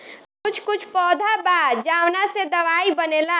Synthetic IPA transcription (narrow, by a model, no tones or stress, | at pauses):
kʊt͡ʃʰkʊt͡ʃʰpɔːd̪ʱabad͡ʒawnased̪əʋaibənela